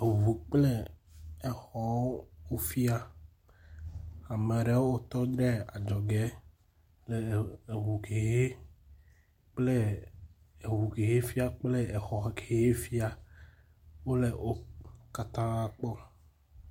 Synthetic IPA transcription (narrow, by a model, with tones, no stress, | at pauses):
e˨vu˨k͡ple˦e˨xɔ˨wo˦wo˦fi˦a˦ | a˨me˨ɖe˨˦wwo˦t̪ɔ˦d̪ɾɛ˦a˨d͡ʒɔ˨ɡɛ˨˦ | le˨e˨ɦu˨ke˨ɦe˦ | k͡ple˦ | e˨wu˨ke˨ɦe˦fi˦a˦k͡ple˦e˨xɔ˨kʰe˨je˦fi˦a˨ | wo˦le˨ʔo˦ka˨t̪ã˦a˨k͡pɔ˦